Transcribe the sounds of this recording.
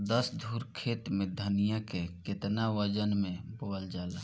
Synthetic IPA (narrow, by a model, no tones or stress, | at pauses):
d̪əsd̪ʱuːɾkʰeːt̪mẽd̪ʱənijãkekɪt̪naʋəd͡ʒənmẽboːəld͡ʒaːla